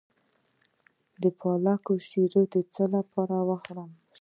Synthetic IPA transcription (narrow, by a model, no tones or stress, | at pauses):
d̪əpʰɑlakosiɾod̪ət͡səlapʰɑɾawaxɾam